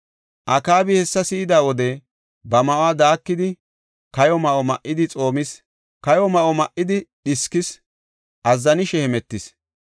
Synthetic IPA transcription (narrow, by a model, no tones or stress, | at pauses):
ʔɐkaːbɪhɛsːɐsiːd̪aːwɔd̪ɛ | bɐmɐʔoaːd̪aːkːɪd̪ɪ | kɐjɔmɐʔɔmɐʔːɪd̪ɪt͡sʼo̞ːmɪs | kɐjɔmɐʔɔmɐʔːɪd̪ɪɗɪskɪs | ʔɐzːɐnɪʃɛhɛmɛt̪ːɪs